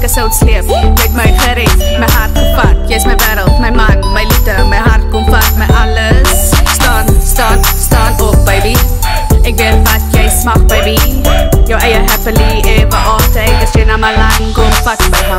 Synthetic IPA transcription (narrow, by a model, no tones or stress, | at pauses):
kəsəwtsliəpmɛtməjχəɾɛtməjɦɐrtkɐtjəəsməjvæːɾəlˠtməjmɐnməjlitəməjɦɐrt̚kɔmfɐtməʔɐləs | stɑːnstɑːnstɑːnɔp̚bɐjbi | ɛk̚bətvɐtjəjsmɐχbɐjbijəwʔɛjəɦæpəliebəʔɑːtəkəsjənɐmɐlɐŋkɔnfɐkbəjɦɐ